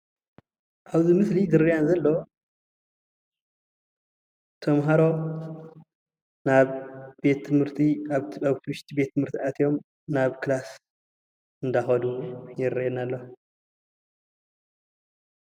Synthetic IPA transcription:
ʔaβzɨmɨslid̪ɨɾijanzɐlːo | t̪ʰɐmɦaɾo̞ | naβbe̞t̪ʰːɨmhɨɾt̪ʰiaβat̪ʰibɨʃt̪ʰibe̞t̪ʰːɨmhɨɾt̪ʰiat̪ʰijo̞m | naβkʰɨlas | ɨnd̪axɐd̪ujɪɾnalːo

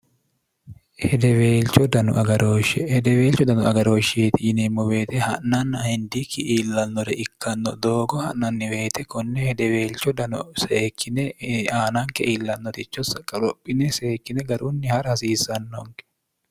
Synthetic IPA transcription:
hɛd̪ɛweːlt͡ʃːɔd̪ɐnʊ̰ʔɐɡɐɾoːʃɛhɛd̪ɛweːlt͡ʃːɔd̪ɐnʊɐɡɐɾoːʃeːt̪ɪjɪnɛmːɔbe̞ːt̪ɛhɐ̰ʔnɐnːɐhɛnd̪ikʰːɪʔiːlːɐnːɔɾɛʔɪkːɐnːɔ̰d̪o̞ːɡɔhɐ̰ʔɐnːɪwe̞ːt̪ɛkɔnːɛhɛd̪ɛweːlt͡ʃːɔd̪ɐnɔ̰seːkʰːɪnɛaːnɐŋkɛʔiːlːɐnːɔt̪ɪt͡ʃːɔsɐkʼːɐɾɔpʼːɪnɛse̞ːkːɪnɛɡɐɾʊnːɪhɐɾhɐsiːsɐnːoŋkɛ̥

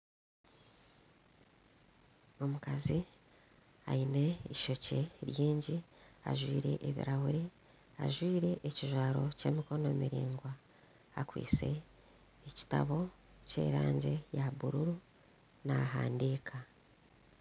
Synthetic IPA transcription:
o̞mukazi | a̰ine̞iʃo̞ce̞ɾjiːɲɟia̰ʒwiːɾe̞̰ʔeβḭɾahuɾe | a̰ʒwiːɾe̞ʔeciʒwaːɾo̞ce̞ːmiko̞no̞ːmiɾiːŋɡwaː | kwḭːt͡se̞ː | ci̥ta̰βo̞ | ce̞̰ːɾaːɲɟe̞jaβuɾuɾu | naɦa̰ːndiːkʰa

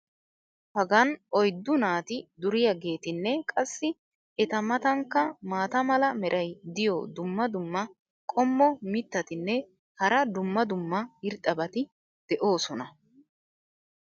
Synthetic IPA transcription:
hɐɡɐnɔjd̪ːʊnaːt̪ɪd̪ʊɾɪjɐɡe̞ːt̪ɪnːɛkʼɐsːɪ | ɛt̪ɐmɐt̪ɐŋkːɐmaːt̪ɐmɐlɐmɛɾʔɐjd̪ɪjɔd̪ʊmːɐd̪ʊmːɐ | kʼɔmːɔmɪt̪ːɐt̪ɪnːɛ | hɐɾɐd̪ʊmːɐd̪ʊmːɐɪɾt̪ʼːɐbɐt̪ɪ | d̪̥ɛʔo̞ːsɔnɐ

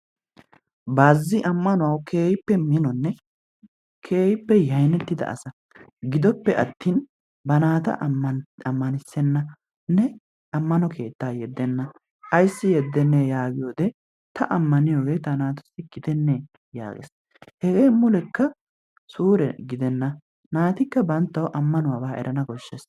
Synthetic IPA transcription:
baːzːɪʔɐmːɐnʊwɐwkʰe̞ːjɪpːɛmɪnɔnːɛ | kʰe̞ːjɪpːɛjɐjnɛt̪ːɪd̪ɐ̰ʔɐ̰sɐ | ɡɪd̪ɔpːɛʔɐt̪ːiːn | bɐnaːt̪ɐ̰ʔɐmːɐnɪsːɛnːɐ | nːɛ | ɐmːɐnɔkʰe̞ːt̪ːaːjɛd̪ːɛnːɐ | ɐjsːɪjɛd̪ːɛnːeːjaːɡɪjoːd̪ɛ | t̪ʰɐʔɐmːɐnɪjoːɡe̞ːt̪ɐnaːt̪ʊ̥sɪɡ̥ɪd̪ɛnːeː | ja̰ːɡɛ̰s | hɛɡe̞ːmʊlɛkːɐ | suːɾɛɡɪd̪ɛnːɐ | naːt̪ɪkːɐbɐnt̪ːɐwʔɐmːɐnʊwabaːɛ̰ɾʔɐnɐɡɔʃːɛs

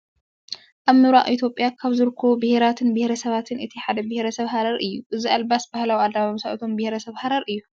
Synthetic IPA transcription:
ʔaβmɨβɾa̰ʔʼʔit̪ʰjo̞pʼjakʰaβzɨɾɨkʰːobɨheɾat̪ʰɨnbɨhɾɐsɐβat̪ʰɨnɨt̪ʰiħad̪ɐbɪheɾɐsɐβɦaɾɐɾɨjːuʔɨziʔalbasbahlawiad̪aβaamsaʔt̪ʰo̞mbɪheɾɐsɐβhaɾɐɾɨjːu

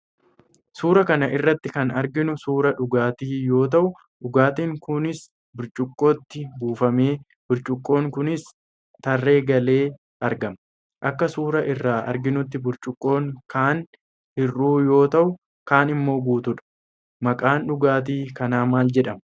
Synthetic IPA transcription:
suːɾɐkɐnɐʔɪrːɐt̪ːɪkɐnɐɾɡɪnʊsuːɾɐᶑʊɡaːt̪iːjo̞ːt̪ɐʔʊ | ᶑʊɡaːt̪iŋkʊnɪs | bʊɾt͡ʃʼʊkʼːo̞ːt̪ːɪbuːfɐme̞ː | bʊɾt͡ʃʼʊkʼːo̞ːŋkʊnɪs | t̪ɐrːe̞ːɡɐle̞ː | ɐɾɡɐm | ʔɐkːɐsuːɾɐʔɪrːaːʔɐ̰ɾɡɪnʊt̪ːɪbʊɾt͡ʃʼʊkʼːo̞ːŋkaːn | hɪrːuːjo̞ːt̪ɐʔʊ | kaːnɪmːo̞ːɡuːt̪ʊᶑɐ̥ | mɐkʼaːnᶑʊɡaːt̪̬iːkɐnaːmaːld͡ʒɛᶑɐm

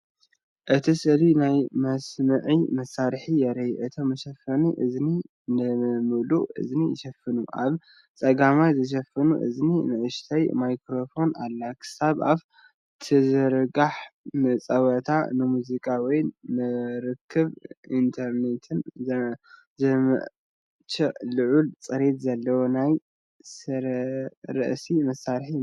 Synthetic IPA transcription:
ʔɨt̪ʰisɨlinajmɐsmɨʕimɐsːaɾħijɛɾɐjʔɨt̪ʰomːɨʃɐfɐniʔɨzni | nɨmɨluʔɨ̰znijʃɐfːɨnuʔa̰β | t͡sʼɐɡamajzɨʃ̬ɐfːɐnuʔɨ̰zninɨʔɨʃt̪ʰajmajkɾo̞fo̞nalːakʰɨ̥saβaβ | t̪ʰɨzɨɾɨɡaħmɨt͡sʼɐwɐt̪ʰa̰nɨmuzikʼawɔjnɨɾɨkʰːɨβint̪ʰɐɾnet̪ʰɨn | zɨmɨ̰ | t͡ʃʰɨlɨʕult͡sʼɨɾe̞t̪zɐlːɐwonaj | sɨɾɐɾɨ̰ʔsimɐsalħi

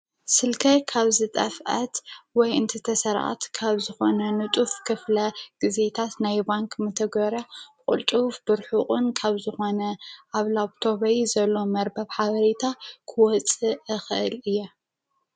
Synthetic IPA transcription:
sɨlkʰɐkʰaβzɨt̪ʼɐfʔɐt̪wɔjɨnt̪ʰit̪ʰɐsɐɾʔa̰t̪kʰaβzɨxo̞nɐnɨt̪ʼufkʰɨflɐɡ̥ize̞t̪ʰat̪najbaŋkʰʼmɨt̪ʰɐɡβɐɾakʼṵlt̪ʼufb̥ɨɾħuχʼunkʰaβzɨxo̞nɐʔaβlaβt̪ʰo̞βɐjzɐlːo̞mɐɾbɐβħaβɐɾet̪ʰakʰɨwɔt͡sʼɨɨxɨʔɨlɨjːo

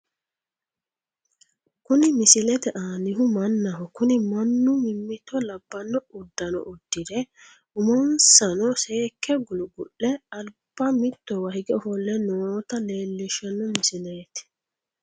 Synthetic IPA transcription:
kʊnɪmɪsɪlɛt̪ɛʔaːnɪhʊmɐnːɐɦɔkʊnɪmɐnːʊmɪmːɪt̪ːɔlɐbːɐnɔʊd̪ːɐnɔ̰ʔʊd̪̥ːɪd̪ɛ | ʊmɔnsɐnɔseːkːɛɡʊlʊɡʊʔːɛɐlb̥ɐmɪt̪ːɔwɐhɪɡɛɔfɔlːɛnoːt̪ɐle̞ːlːɪʃɐnɔmɪsɪleːt̪

